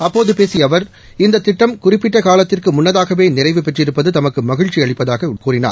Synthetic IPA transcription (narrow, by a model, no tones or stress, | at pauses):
ɐpːoːðɯpeːsɪjɐʋɐɾ | ɪnd̪ɐt̪ːɪʈːɐmkʊrɪpːɪʈːɐkaːlɐt̪ːɪrkɯmʊnːɐðaːɣɐʋeːnɪrɐɪʋɯpɛʈrɪɾɯpːɐðɯt̪ɐmɐkːɯmɐɣɪɻt͡ʃːiɐɭɪpːɐðaːɣɐkuːrɪna̰ːɾ